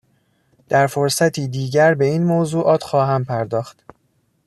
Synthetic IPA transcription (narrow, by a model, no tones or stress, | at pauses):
d̪̥æɾfoɾsæt̪ʰiːd̪iːɟæɾbe̞iːnmozuːʔɒːt̪ʰxɒːɦæmpʰæɾd̪ɒːxt̪